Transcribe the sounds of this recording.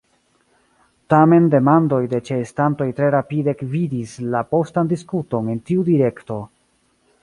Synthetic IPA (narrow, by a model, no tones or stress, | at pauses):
tame̞nde̞mando̞jde̞t͡ʃeːstanto̞jtɾe̞ɾapidekvidislapo̞standiskuto̞ne̞ntiudiɾe̞kto̞